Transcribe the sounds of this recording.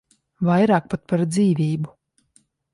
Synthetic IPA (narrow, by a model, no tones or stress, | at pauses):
vajɾaːk̚pat̪̚paɾd̪ziːvʲiːbu